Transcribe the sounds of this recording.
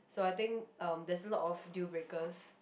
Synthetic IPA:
soajt̪ɪ̃ŋkʌ̃mdɛsəlɔtɔfdjubɹekəs

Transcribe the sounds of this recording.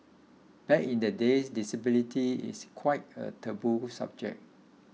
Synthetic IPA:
b̥ɛkĩndədesdisəbilitʰiḭskʰwaɪt̚ə̰tʰəbusa̰b̚d͡ʒɛ̰k̚

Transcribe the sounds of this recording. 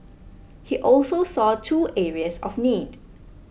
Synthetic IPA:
hiʔɔlsosɔːtʰuːʔɛɹiəsɔ̰fniːd

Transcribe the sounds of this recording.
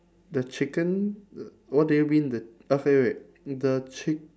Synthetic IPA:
dət͡ʃikə̃n | wɔdemĩndə | ɛfɛɹɛ | dət͡ʃik

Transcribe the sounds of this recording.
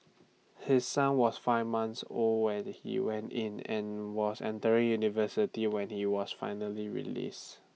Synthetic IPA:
hɪsːãnwɔsfaɪvmãnsolwɛ̃nhḭwɛ̃ntɪ̃nɛ̰̃nwɔsɛ̰̃ntəɹɪ̃ŋjunivəsɪtiwɛ̃nhiwɔsfa̰ɪnəliɹḭlḭs

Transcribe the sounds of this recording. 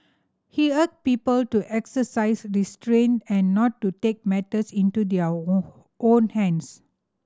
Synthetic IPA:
hiək̚pipəltuʔɛksəsaɪsɹistɹẽntɛ̃nːɔtːutek̚mɛtəsĩntudɛə | ʔõnhɛ̃ns

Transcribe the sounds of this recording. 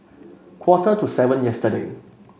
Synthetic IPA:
kʰwɔtətusɛvə̃njɛstədḛ

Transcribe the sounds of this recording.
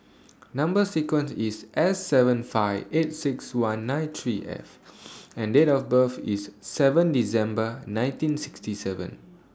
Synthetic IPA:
nãmbəsikwə̃nsisʔɛsːɛvə̃nfaɪvet̚sikswãnːãɪ̃nt̪ʰɹiʔɛ̰fɛ̃ndetɔfbəfḭsːɛvə̃ndisɛ̃mbənãɪ̃ntĩnsi̥kstisɛvə̰̃n

